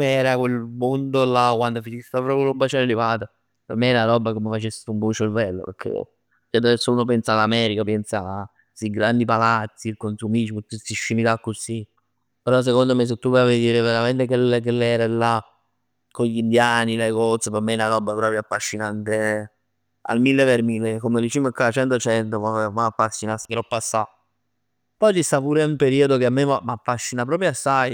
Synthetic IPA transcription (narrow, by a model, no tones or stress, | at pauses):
meɛːɾakwelmond̪olakwand̪ofinist̪apɾɔpjolobːat͡ʃɛnelivaːt̪a | peɾmːeɛɾaaɾɔbːakomefat͡ʃesːumpɔt͡ʃːelvɛlːo̰pḛɾkʰːḛ | t͡ʃɛd̪aɛsːouːnop̬ɛnsalamɛːɾikapɛnsa | siɡɾand̪ipalat̪sːikonsumit͡ʃiput̪ːusiʃːimit̪akːosi | peɾɔs̬ekond̪omes̬et̪ːuvɛaved̪iːɾeveɾament̪ekelekelɛːɾalːa | koʎind̪jaːnilaɡɔt̪sopemːeɛnaɾɔbːapɾɔːpɾjoafːaʃːinant̪e | a̰lmilːeveɾmilːekomed̪it͡ʃiːmkːaat͡ʃɛnt̪ot͡ʃɛnt̪ovamaafːasːinasi̥kɾɔpːasːa | pɔjt͡ʃist̪apuːɾumpeɾiːod̪okeamːemamafːaʃːinapɾɔːpɾjoasːaj